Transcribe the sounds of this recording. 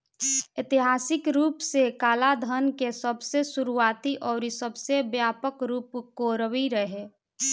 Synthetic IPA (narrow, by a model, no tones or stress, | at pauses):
ɪt̪iɦaːsɪkɾuːpsekaːlad̪ʱənkesəbsesuɾuaːt̪iʔɔːɾisəbʱsebjaːpəkɾuːpkoɾəʋiɾəɦe